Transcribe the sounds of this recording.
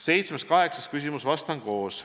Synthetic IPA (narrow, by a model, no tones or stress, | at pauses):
se̞jt̪smeskɑɦe̞ksɑskys̬ʲimusvɑst̪ɑŋko̞ːs